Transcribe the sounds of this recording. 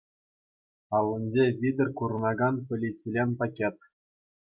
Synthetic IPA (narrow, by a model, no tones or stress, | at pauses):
ɑlːɤ̆nʲd͡ʑeʋʲid̪ʲɘ̆rʲkur̆nɑɡɑnpʲɘ̆lʲit͡sʲilʲenʲpɑkʲet̪